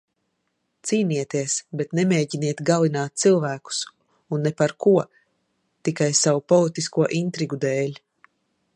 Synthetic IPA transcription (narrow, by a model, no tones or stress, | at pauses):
t̪siːniɛt̪iɛsbet̪nemeːɟiniɛt̪ɡalinaːt̪̚t̪silˠvæːku̥s | unːepaɾkuɔ | t̪ikajsawupɔlˠit̪iskuɔʔint̪ɾiɡud̪ɛːlʲ